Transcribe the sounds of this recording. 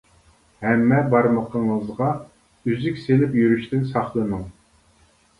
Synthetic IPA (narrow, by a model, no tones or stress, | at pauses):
hɛmːɛbɑɾməqʰəɴəzʁɑ | yzykʲselɪpjyɾyʃt̪ɪnsɑχlˠənɨŋ